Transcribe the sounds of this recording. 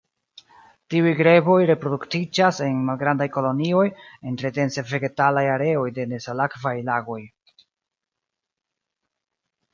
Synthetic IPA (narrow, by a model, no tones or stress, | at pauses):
tiujɡɾe̞bo̞jɾe̞pɾo̞duktid͡ʒase̞nmalɡɾandajko̞lo̞nio̞jentɾete̞nse̞ve̞ɡe̞talajaɾe̞o̞jde̞ne̞salakvajlaɡo̞j